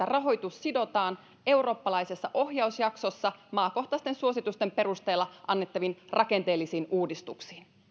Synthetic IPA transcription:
ærɑɦo̞jt̪usːido̞t̪ɑːn | e̞wro̞ːpːɑlɑjsesːɑʔo̞hjɑusjɑkso̞sːɑmɑːko̞ht̪ɑst̪e̞nsuo̞sit̪ust̪e̞mpe̞ɾust̪e̞ːlːɑʔɑnːe̞t̪ːɑʋinrʔɑke̞nt̪e̞ːlːisiːnʔuːdist̪uksi̥ːn

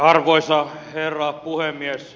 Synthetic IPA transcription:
ɑrʋoisɑherːɑːpuhemːies

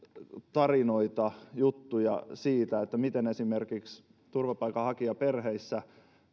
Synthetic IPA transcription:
t̪ɑrinoit̪ɑjut̪ːujɑsiːt̪æet̪ːæmit̪enesimerkiks | t̪urʋɑpɑikːˑɑhɑkiɑperheisːæ

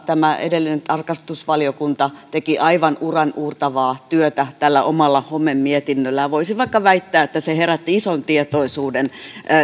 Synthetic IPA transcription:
t̪æmæḛdelːinent̪ɑrkɑst̪usʋɑliokunt̪ɑt̪ekiʔɑiʋɑnurɑnʔuːrt̪ɑʋɑːt̪yøt̪æt̪ælːæʔomɑlːɑhomːemmiet̪inːølːæjʋoisiʋɑikːɑʋæit̪ːæːet̪ːæseheɾæt̪ːiisont̪iet̪oisuːden

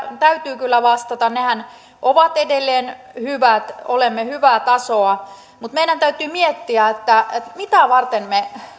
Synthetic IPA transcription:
t̪æyt̪yːkylːæʋɑst̪ɑt̪ɑnnehæn | ʔoʋɑt̪edelːeːn | hyʋæt̪olemːehyʋæt̪ɑsoɑ | mut̪meiɾænt̪æyt̪yːmiet̪ːiæet̪ːæet̪mit̪æʋɑrt̪enme

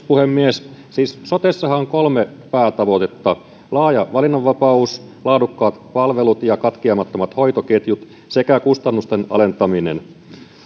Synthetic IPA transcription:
puhemːiessiːssot̪esːɑhɑŋkolmepæːt̪ɑʋot̪et̪ːɑ | lɑːjɑʋɑlinːoʋːɑpɑus | lɑːdukːɑːt̪pɑlʋelut̪jɑkɑt̪kiɑmɑt̪ːomɑt̪hoijt̪oket̪jut̪ | sekækust̪ɑnːust̪enɑ̰le̞nt̪ɑminḛn

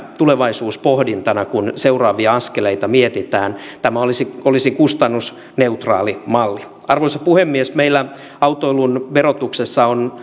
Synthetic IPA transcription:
t̪uleʋɑisuːspohdint̪ɑnɑkunseurɑːʋiɑɑskeleit̪ɑmiet̪it̪æːnt̪æmæolisiolisikust̪ɑnːus | ne̞ut̪rɑ̰ːlimɑlːi | ɑrʋoisɑpuhemːiesmeilːæ | ɑwt̪oilunʋerot̪uksesːɑon

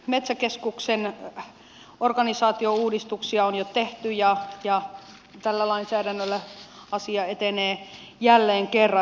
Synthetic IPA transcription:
met̪sækeskuksen | orɡɑnisɑːt̪iouːdist̪uksiɑonjot̪eht̪yjɑjɑ | t̪ælːælɑinsæːdænːølːæɑsiɑet̪eneː | jælːeːŋkerːɑ

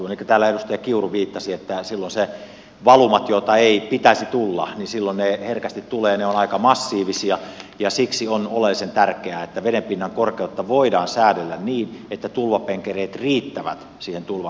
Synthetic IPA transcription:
uoneikːøt̪æːlːæedust̪ɑjɑkiuruʋiːt̪ːɑsiet̪ːæsilːonse | ʋɑlumɑt̪jot̪ɑeipit̪æsit̪ulːɑ̰nisilːonneherkæst̪it̪t̪uleːneonɑikɑmɑsːiːʋisiɑjɑsiksionolelːisent̪ærkeæet̪ːæʋeɾempinːɑŋkorkeut̪ːɑʋoidɑːnsæːdelːænniːnet̪ːæt̪ulʋɑpeŋkereːt̪riːt̪ːæʋæ̰t̪ | siːhent̪ulʋɑ

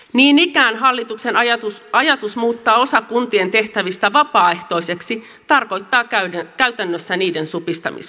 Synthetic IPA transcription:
niːnikæːnɦɑlːit̪ukse̞nuɑjɑt̪usmuːt̪ːɑːo̞sɑkunt̪ie̞nt̪e̞ht̪æʋist̪æʋɑpɑːe̞ht̪o̞ijse̞ksi | t̪ɑrko̞jt̪ːɑːkæɥt̪ænːøsːæniːde̞nsupist̪ɑ̰mḭs

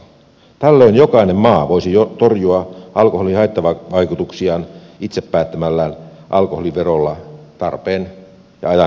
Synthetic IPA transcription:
t̪ælːøinjokɑinemmɑːʋoisijot̪orjuɑʔɑlkoholihɑet̪ːɑʋɑʋɑikut̪uksiɑːn | it̪sepːæːt̪ːæmælːæːn | ʔɑlkoholiʋerolːɑt̪ɑrpeːn | jɑ̰ɑjɑ

